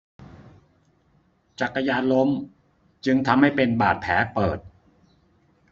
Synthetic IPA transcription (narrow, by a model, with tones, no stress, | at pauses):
t͡ɕa˨˩kːa˧jaː˧nlo˦˥m | t͡ɕɯ˧ŋt̪ʰa˧mha˥˩jpe˧nbaː˨˩t̪̚pʰɛ̰ː˩˦pɤː˨˩t̪̚